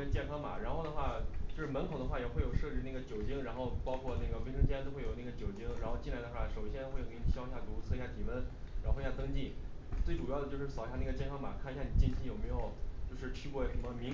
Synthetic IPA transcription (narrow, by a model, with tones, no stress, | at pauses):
ə˥t͡ɕjɛ˥˩˧nkʰɑ˥ŋma̰˨˩ɻa˧˥nxo˥˩ʊd̪ə˩xwa˥˩t͡ɕjo˥˧ʊʂɻ̩˥˩mə˧˥nkʰo˨˩ʊd̪ə˦xwa˥˩jɛ˨˩xwe˥˩ɪjʊʂɤ˥˧t͡ɕi˥˧na˥˩ɡə˩t͡ɕjo˨˩ʊt͡ɕi˥ŋɻa˧˥nxo˥˧ʊpɑ˥ʊkʰwɔ˥˧na˥˩ɡə˩wə˧˥ʂɤ˥ŋt͡ɕʰjɛ˥nt̪o˥ʊxwe˥˩jo˨˩˦na˥˩ɡə˩t͡ɕjo˨˩ʊt͡ɕi˥ŋɻa˧˥nxo˥˧ʊt͡ɕi˥˩nla˧˥ɪd̪ə˧xwa˥˩ʂo˨˩ʊɕjɛ˥n˥xwk̪ʰi˨˩ɕji˧ɕja˥˩t̪u˧˥t͡sʰɤ˥˧ɕja˥˩i˨˩wə˥nɻa˧˥xo˥˧˥ja˥˩t̪ɤ˥ŋt͡ɕi˥˩t͡swe˥˩ɪʈ͡ʂu˨˩jɑ˥˩d̪ə˩t͡ɕjo˥˧ʊʂɻ̩˥˩˨ʊ˧ja˥˧na˥˩ɡə˩t͡ɕjɛ˥˩nkʰɑ˥ŋma̰˨˩kʰa˥˩ni˧ɕja˥˩ni˨˩t͡ɕi˥˧nt͡ɕʰi˥˩jo˨˩me˧˥ɪjo˨˩ʊt͡ɕo˥˧ʊʂɻ̩˥˧t͡ɕʰy˥kwɔ˥˩ʂə˧˥mə˧mi˧˥